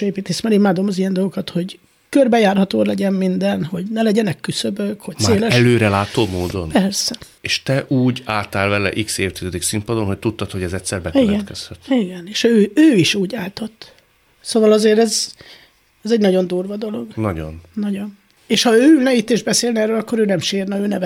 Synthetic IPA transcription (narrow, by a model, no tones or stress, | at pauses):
eːpiːt̪eːsmɛɾimaːd̪o̞mɒzijɛnd̪olɡo̞kɒt̪ho̞ɟ | kørbɛjaːrɦɒt̪oːlɛɟɛmmind̪ɛnho̞ɟnɛlɛɟɛnɛkːysøbøkhocmsaeːlɛɛløːɾɛlaːt̪oːmoːd̪o̞̰npɛrsɛ | eːʃt̪ɛʔuːɟaːt̪aːlvɛlɛ̰ʔikseːft̪izɛd̪iksimpɒd̪onɦoc̚t̪ut̪ːɒt̪ho̞ɟɛzɛtʲsɛrbɛkiɛɡɛt̪kɛshɛt̪iɡɛneːʃøːøːiʃuːɟaːlt̪o̞t̪ː | soːvɒlɒzeːɾɛz | ɛzɛɟnɒɟo̞nd̪uːrvɒd̪o̞lo̞ɡːɒɟo̰nːɒɟo̞n | eːʃhɒøːylnɛit̪ːeːʒd̪̚bɛseːlnɛrøːlɒkːo̞ɾøːnɛmʃeːrnɛøːnɛvɛ